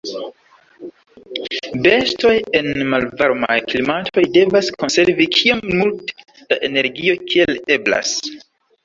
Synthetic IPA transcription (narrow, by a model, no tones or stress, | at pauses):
be̞sto̞je̞nmalvaɾma̰jklimatʰo̞jde̞vasko̞nse̞ɾvikʰiamːult | d̥aʔe̞ne̞ɾɡio̞kʰie̞le̞bla̰s